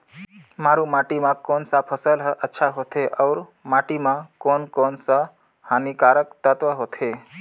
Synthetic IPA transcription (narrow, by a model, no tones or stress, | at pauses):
maːɾũmaːʈimãkoːnsapʰəsəlɦʔətːʃʰaɦot̪ʰeʔɔʊɾmaːʈimãkoːnkoːnsa | haːnikaːɾəkt̪ət̪ʋəɦoːt̪ʰe